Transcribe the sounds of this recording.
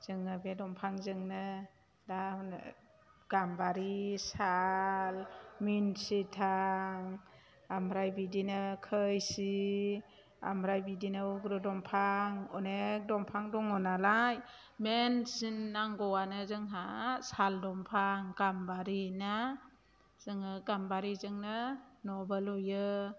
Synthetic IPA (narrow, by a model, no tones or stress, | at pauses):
z̥ɯŋːɯbedɔmpʰaŋzɯŋnɯ | dan̰ | ɡ̥ambaɾisalminsitʰaŋ | amɾajbidinɯkʰɯjsi | a̰mɾajbidinɯuɡɾɯdɔmpʰaŋɔ̰nek̚dɔmpʰaŋdɔŋɔnalaj | mensinːaŋɡɔwanɯzɯŋɦasaldɔmpʰaŋɡ̥ambaɾina | z̥ɯŋɯɡambaɾizɯŋnɯnɔbəlujɯ